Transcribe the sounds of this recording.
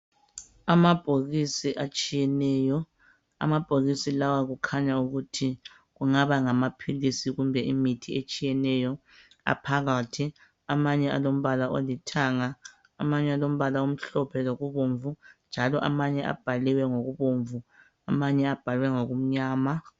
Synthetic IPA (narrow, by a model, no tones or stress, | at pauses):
amab̥ʱoɣisiʔat͡ʃʼijɛnɛːjɔ | a̰mab̥ʱoɣisilawaɣukʰaɲauɣutʰi | ɣuŋaβaŋamapʰilisiɣumbʱɛimitʰiet͡ʃʼijɛnɛjɔ | a̰pʰaɣatʰi | amaɲɛa̰lom̩βalaʔolitʰaːŋaː | maɲɛalom̩βalaom̩ɬɔpʰɛloɣuβoɱvund͡ʒʱalɔʔa̰maɲɛʔa̰b̥ʱaliwɛŋoɣuβoɱvu | amaɲɛab̥ʱalwɛŋoɣum̩ɲaːma